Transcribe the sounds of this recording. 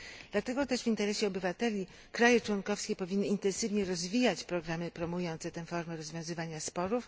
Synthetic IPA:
d̪lat̪ɛɡɔt̪ɛʐvint̪ɛɾɛɕɛɔbɘvat̪ɛlʲi | kɾajɛt͡ʂwɔŋkɔfskʲɛpɔvʲinːɘint̪ɛ̃nsɘvɲɛɾɔzvʲijat͡ɕpɾɔɡɾamɘpɾɔmujɔnt̪sɛt̪ɛ̃fɔɾmɛɾɔzvʲjɔ̃w̃zɘvaɲaspɔɾuf

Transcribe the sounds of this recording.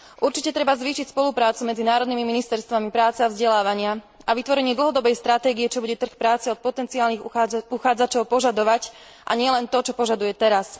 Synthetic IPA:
ʔuɾt͡ʃicɛt̪ɾɛbazʋiːʃicspɔlupɾaːt͡sumɛd͡zinaːɾɔd̪nimiminist̪ɛɾst̪ʋamipɾaːt͡sɛavzɟɛlaːʋaɲɪa | aʋit̪ʋɔɾɛɲɪɛd̪l̩ˠɦɔd̪ɔbɛjst̪ɾat̪ɛːɡiɛt͡ʃɔbuɟɛt̪r̩xpɾaːt͡sɛɔt̪̚pɔt̪ɛnt͡siaːlniɣuxaːd͡zat͡ʃɔʊpɔʒad̪ɔʋac | ʔa̰ɲɪɛlɛnt̪ɔt͡ʃɔpɔʒad̪ujɛt̪ɛɾas

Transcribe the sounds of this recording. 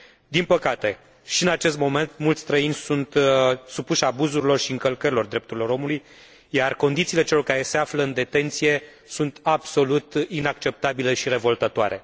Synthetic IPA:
d̪inpəkat̪e̞ | ʃiɨnat͡ʃe̞st̪mo̞me̞nt̪mult̪sʲst̪ɾəinʲsunt̪supuʃabuzuɾilo̞rʃiɨŋkəlkəɾilo̞rd̪ɾept̪uɾilo̞ɾo̞muluj | jarko̞nd̪it̪sile̞t͡ʃe̞lo̞rkaɾe̞se̞afləɨnd̪e̞t̪e̞nt̪sije̞ | sunt̪abso̞lut̪inak̚t͡ʃe̞p̚t̪abile̞ʃiɾe̞vo̞lt̪ət̪oaɾʔe̞̰

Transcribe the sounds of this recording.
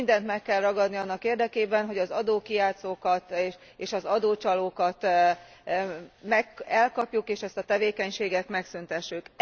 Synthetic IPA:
nd̪ɛnt̪mɛkːɛlrɒɡɒd̪niɒnːɒkeːrd̪ɛkeːbɛnɦo̞ɟɒzɒd̪oːkijaːt̪soːkɒt̪ʃ | eːʃɒzɒd̪oːt͡ʃɒloːkɒt̪ | mɛkɛlkɒpjukeːʃɛst̪ɒt̪ɛveːkɛɲʃeːɡɛt̪mɛksynt̪ɛʃːyk

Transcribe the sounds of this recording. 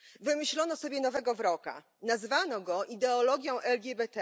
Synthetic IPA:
vɘmɘɕlɔnɔsɔbʲjɛnɔvɛɡɔvɾɔka̰ | nazvanɔɡɔʔid̪ɛɔlɔɡʲjɔ̃w̃ʔɛlɡʲɛbɛt̪ɛ

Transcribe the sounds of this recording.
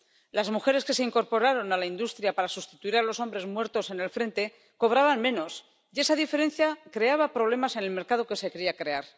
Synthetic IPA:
lazmuxe̞ɾe̞ske̞se̞iŋko̞ɾpo̞ɾaɾo̞nalaind̪ust̪ɾjapaɾasust̪it̪uiɾalo̞so̞mbɾe̞zmwe̞ɾt̪o̞se̞ne̞lfɾe̞nt̪e̞ | ko̞β̞ɾaβanmẽ̞no̞s | je̞saðife̞ɾe̞nθjakɾe̞aβapɾo̞β̞le̞mase̞ne̞lme̞ɾkað̞o̞ke̞se̞kɾiakɾe̞aɾ

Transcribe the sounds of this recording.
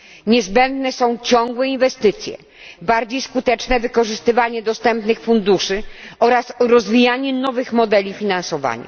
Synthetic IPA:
ɲɛzbɛnd̪nɛsɔ̃w̃t͡ɕɔ̃ŋɡwɛinvɛst̪ɘt̪sʲjɛ̰ | baɾd͡ʑejskut̪ɛt͡ʂnɛvɘkɔʐɘst̪ɘvaɲɛd̪ɔst̪ɛmpnɘxfund̪uʂɘɔɾasɾɔzvʲijaɲɛnɔvɘxmɔd̪ɛlʲifʲinansɔva̰ɲa̰

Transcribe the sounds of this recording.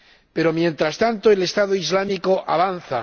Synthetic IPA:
pe̞ɾo̞mjẽ̞nt̪ɾast̪ant̪oele̞st̪aðoizlamiko̞ʔaβanθa

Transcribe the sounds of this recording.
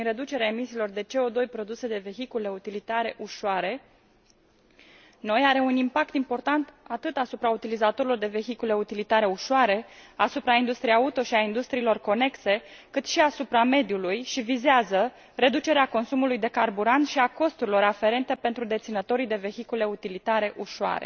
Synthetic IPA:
inɾe̞d̪ut͡ʃe̞ɾeaemisiːlo̞rd̪e̞t͡ʃe̞o̞d̪o̞jpɾo̞d̪use̞d̪e̞ve̞çikule̞ut̪ilit̪aɾe̞ʔuʃoaɾe̞ | no̞jaɾe̞unimpak̚t̪impo̞rt̪ant̪at̪ɨt̪asupɾaut̪ilizat̪o̞ɾilo̞rd̪e̞ve̞çikule̞ut̪ilit̪aɾe̞uʃoaɾe̞asupɾaind̪ust̪ɾiejaut̪o̞ʃiaind̪ust̪ɾiːlo̞rko̞ne̞kse̞kɨt̪ʃiasupɾame̞d̪julujʃivizeazə | re̞d̪ut͡ʃe̞ɾeako̞nsumulujd̪e̞karbuɾant̪ʃiako̞st̪uɾilo̞ɾafe̞ɾe̞nt̪e̞pent̪ɾud̪e̞t̪sinət̪o̞ɾijd̪e̞ve̞çikule̞ut̪ilit̪aɾe̞ʔuʃoa̰ɾe̞̰

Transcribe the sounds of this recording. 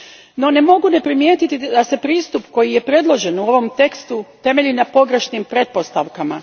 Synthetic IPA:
no̞ne̞mo̞ɡune̞pɾimje̞ːt̪it̪id̪ase̞pɾiːst̪upko̞jije̞pɾe̞d̪lˠo̞ʒe̞nuo̞ʋo̞mt̪e̞kst̪ut̪e̞me̞ʎinapo̞ɡɾe̞ʃnimpɾe̞t̪̚po̞st̪aʋkama

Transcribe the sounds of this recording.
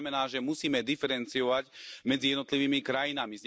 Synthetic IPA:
mɛnaːʒɛmusiːmɛd̪ifɛɾɛnt͡sijɔʋaɟmɛd͡zijɛd̪nɔt̪liʋiːmikɾajinamizɲ

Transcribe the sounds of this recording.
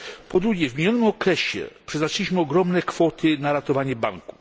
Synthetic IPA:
pɔd̪ɾuɡʲjɛvmʲeɲɔnɘmɔkɾɛɕɛ̰pʂɛznat͡ʂɛlʲiɕmɘɔɡɾɔmnɛkfɔt̪ʰɘnaɾat̪ɔvaɲɛbaŋku̥

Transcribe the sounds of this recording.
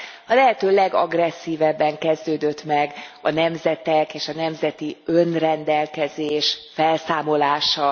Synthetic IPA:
ɒlɛɦɛt̪øːlɛɡɒ̰ɡrɛsːiːvɛbːɛŋkɛzd̪øːd̪øt̪mɛɡɒnɛmzɛt̪ɛkeːʃɒnɛmzɛt̪iønrɛnd̪ɛlkɛzeːʃfɛlsaːmo̞laːʃɒ

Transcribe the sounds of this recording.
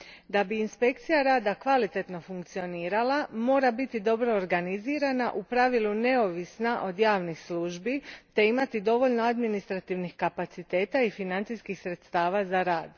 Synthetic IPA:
d̪abiːnspe̞k̚t̪sijaɾaːd̪akʋalit̪e̞t̪no̞fuŋkt̪sio̞niːɾalˠamo̞ːɾabit̪id̪o̞bɾo̞ːɾɡaniziːɾanaʔupɾaʋilˠune̞o̞ʋisnaʔo̞d̪jaːʋnixsluːʒbit̪e̞imat̪id̪o̞ʋo̞ʎno̞ad̪minist̪ɾat̪iʋnixkapat̪sit̪e̞ːt̪aifinant̪siskixsɾe̞t̪st̪aːʋazaɾaːd̪

